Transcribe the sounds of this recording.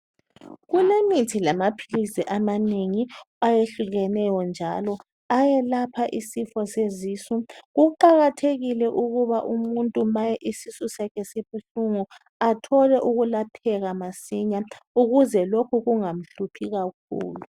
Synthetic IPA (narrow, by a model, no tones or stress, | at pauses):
ɣulemitʰilamapʰilisiʔamaneŋi | ajeɬuɣɛnɛjɔnd͡ʒʱalɔ | ajɛlapʰaʔisifɔsezisuɣuǃaɣatʰeɣilɛʔuɣuβaʔumuntʼumajɛʔisisusɛkʰɛseβuɬuŋu | atʰɔlɛʔuɣulapʰɛɣamasiɲauɣuzɛlokʰuɣuŋam̩ɬupʰiɣak̚ʰṵːlu